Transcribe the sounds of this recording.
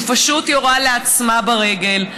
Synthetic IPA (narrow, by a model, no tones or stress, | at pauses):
faʃutjoʁaleat͡smabaʁe̞ɡe̞l